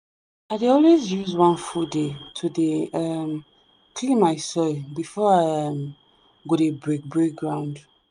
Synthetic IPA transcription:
aɪdeɔlwezjuzwãnfuldetʰudeʌm | kʰlĩmaɪsɔbifɔaɪʌm | ɡoɾebɹek̚bɹek̚ɡɹãʊ̃nd

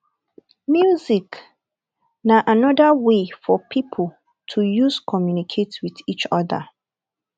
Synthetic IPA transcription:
mjuzik | naʔanɔdəwefɔpʰipʰəl | tʰujuzkʰɔmjunikʰetwiðit͡ʃɔðə̰

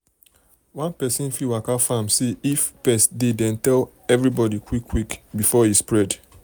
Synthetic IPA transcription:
wãnpɛsĩnfiwakafãmseifpɛsdidɛ̃ntɛl | ɛvɹibɔdikʰwikʰːwikbifɔhispɹɛd

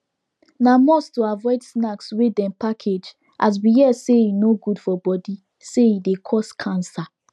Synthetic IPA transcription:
namɔstoavɔɪdsnakswedɛ̃npakʰed͡ʒ | ʔaz̬wijɛseinoɡud̥fɔbɔdi | sejidekʰɔskʰãnsa

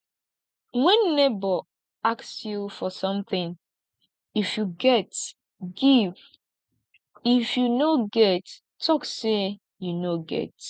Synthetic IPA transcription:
wɛ̃nːebɔ | aksjufɔsʌ̃mθɪ̃ŋ | ifjuɡɛt | ɡiv | ifjunoɡɛt | tʰːɔkse | junoɡɛ̰t

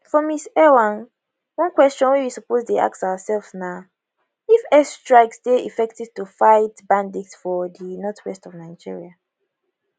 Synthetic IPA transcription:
fɔmisɛwãn | wɔ̃nkwɛst͡ʃɔ̃nwɛwisɔpozdea̰ksawasɛlfsna | ifɛstɹaɪksteḭfɛk̚tiv̥tufaɪtbãndiksfɔdinɔtʰwɛstɔvnaɪd͡ʒḭɹia

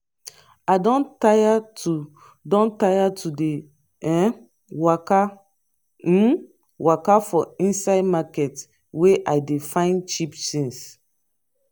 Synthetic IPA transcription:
adɔ̃ntaatu | dɔ̃ntajatʰude | ɛ | waka | wakafɔĩnsaɪdmakɛt | weʔaɪdefãɪ̃nt͡ʃipsĩns

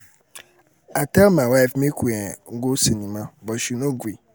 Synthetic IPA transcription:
akamãwafmẽkʰuɛŋ̩ɡosenĩmãbɔʃunõɡui

